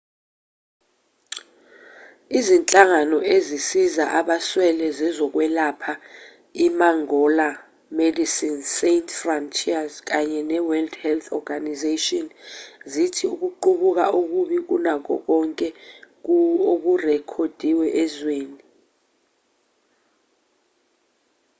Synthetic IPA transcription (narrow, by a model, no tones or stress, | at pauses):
izint͡ɬʼaŋanɔʔezisizaʔaɓaswɛlɛzɛzɔk̬wɛlapʰa | imaŋɔla | medisinsentʰʼfrɔntʰiazk̬aɲɛnɛwɛldhɛlθʰɔ̰ɡanizetɔnzitʰiuk̬uǃuɓuk̬auk̬uɓik̬unak̬ɔ̰k̬ɔŋkʼɛ | ok̬urɛkʰod̥ʱiwɛʔɛzweːni